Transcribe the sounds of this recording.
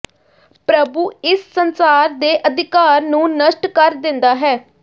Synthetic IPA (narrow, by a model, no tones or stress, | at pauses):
pɾəbuːɪsːənsaːɾd̪eːʔəd̪ɪkaːɾnũːnəʃʈkəɾd̪ɪ̃nd̪aːɦɛː